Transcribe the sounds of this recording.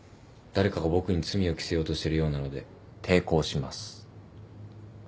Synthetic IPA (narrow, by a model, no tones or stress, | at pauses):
d̪̥aɾe̞kaɡabo̞kɯ̟ɲ̟it͡sɨmʲio̞kʲi̥se̞jo̞ːt̪o̞ɕit̪e̞ɾɯ̟jo̞ːnano̞d̪e̞ | t̪ʰe̞ːko̞ːɕimasɨ̥